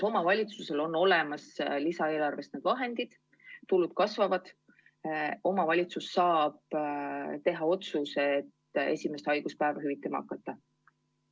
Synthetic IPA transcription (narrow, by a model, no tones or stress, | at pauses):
o̞mɑvɑlʲit̪suse̞lo̞nːo̞lemɑslisɑe̞ːlɑrve̞st̪ned̪̥vɑɦe̞nd̪̥id̪̥ | t̪ulud̪̥̚kɑsvɑvɑd̪̥ | o̞mɑvɑlʲit̪susːɑːb̥ | t̪e̞ɦɑo̞t̪suset̪ːe̞̰sʲime̞st̪ɑjɡ̥uspæevɑɦyvit̪ːˑemɑ̰ɑ̰kːˑɑt̪ːˑɑ